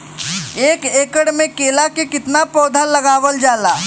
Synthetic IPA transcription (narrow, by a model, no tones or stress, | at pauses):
eːkeːkəɽmẽkeːlakekɪt̪napɔːd̪ʱalɐɡaːʋəld͡ʒaːlaː